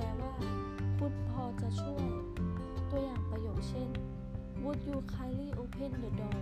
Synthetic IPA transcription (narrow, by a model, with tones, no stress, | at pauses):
ɛː˧˩waː˧˥˩kʰu˧˥n̚pʰɔː˧t͡ɕa˧˩t͡ɕʰu˥˩ɐj | t̪u˧ɐjaː˨˩ŋpa˧joː˨˩t̪̚sʰe˥˨n | wu˧˥t̪̚juː˧kʰaː˧liː˥˩˨ʔoː˧˦pʰe˧˥˨ndoː˨˩dɔː˧˩